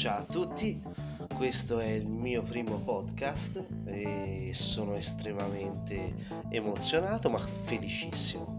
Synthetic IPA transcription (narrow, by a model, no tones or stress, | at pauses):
t͡ʃawat̪ːut̪ːi | kwest̪oɛilmiːopɾiːmopɔd̪kast̪ | esːoːnoest̪ɾemament̪eː | mot̪sːjonaːt̪oma | fːelit͡ʃisːimo